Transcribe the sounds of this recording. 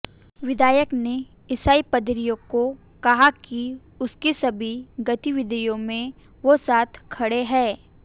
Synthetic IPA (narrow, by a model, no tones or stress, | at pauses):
ʋɪd̪ʱaːjəkne | jɪsaːipɐd̪ɾijõko | kɐɦaki | ʊskisɐbʱiɡɐt̪iʋɪd̪əjõmẽ | ʋosaːt̪ʰkʰɐɽeɦɛ̃ː